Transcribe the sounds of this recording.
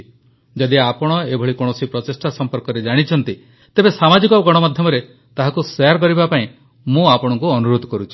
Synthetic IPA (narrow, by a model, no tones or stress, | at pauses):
d͡ʒɔd̪iapɔɽ̃ɔebʱɔɭikoɽ̃ɔsipɾɔt̪esʈasɔmpɔɾkɔɾed͡ʒaɽ̃it͡ʃʰɔnt̪i | t̪ebesamad͡ʒikɔɡɔɽ̃ɔmad̪ʱjɔmɔɾe | t̪aɦakuseaɾk̬ɔɾibapaĩ | mũapɔɽ̃ɔŋkuɔnuɾod̪ʱɔkɔɾut͡ʃʰi̥